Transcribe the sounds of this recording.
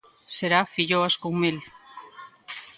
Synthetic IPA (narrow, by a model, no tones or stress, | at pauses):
seɾafiʎoaskuŋmil